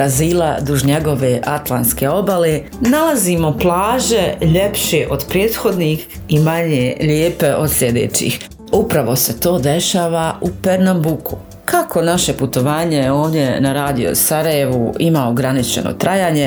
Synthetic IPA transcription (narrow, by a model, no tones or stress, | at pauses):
ɾaziːla̰d̪uʒɲeɡo̞ʋeʔat̪lˠant̪ske̞o̞bale | nalazimo̞plˠaːʒe̞ʎepʃeʔod̪pɾjeːd̪xo̞d̪niːx | imaɲeʎeːpe̞ʔod̪slʲjed̪ḛːt͡ʃḭːx | upɾaʋo̞se̞t̪o̞ːd̪e̞ʃaːʋaʔupeɾnambukʰu | kʰakʰo̞naʃe̞put̪o̞ʋaːɲe̞jo̞ːʋd̪je̞naɾaːd̪ijo̞̰saɾaje̞ʋuimaoɡɾanit͡ʃe̞̰no̰t̪ɾajaːɲe